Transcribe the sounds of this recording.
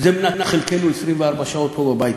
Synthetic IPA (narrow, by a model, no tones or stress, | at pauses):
zeminanaχelkenuesʁimveaʁbaʃao̞t̪̚pobabajit